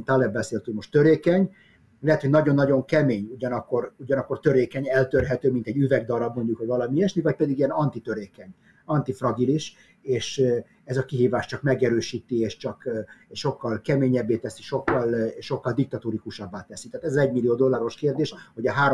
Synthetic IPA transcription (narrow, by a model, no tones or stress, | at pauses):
t̪ɒlɛbːɛseːlt̪ylmo̞ʃt̪øɾeːkɛɲ | lɛɦɛt̪ho̞ɟnɒɟo̞nːɒɟo̞ŋkɛmeːɲuɟɒnɒkːo̞ruɟɒnɒkːort̪øɾeːkɛɲɛlt̪ørɦɛt̪øːmint̪ɛɟyvɛɡd̪ɒɾɒbmo̞ɲɟukhoɟvɒlɒmiɛʃnivɒc̚pɛd̪iɡiɛnɒnt̪it̪øɾeːkɛɲ | ɒnt̪ifrɒɡiliʃ | eːʃ | ɛzɒkiɦiːvaːʃt͡ʃɒkmɛɡɛɾøːʃiːt̪ieːʃt͡ʃɒkʃo̞kːɒlkɛmeːɲɛbːeːt̪ɛsiʃo̞kːɒlʃo̞kːɒld̪ik̚t̪ɒt̪uːɾikuʃɒbːaːt̪ɛsi̥t̪ɛaːt̪ɛzɒzɛɟmilːijoːd̪o̞lːaːɾo̞ʃkeːrd̪eːʃho̞ɟɒɦaːɾ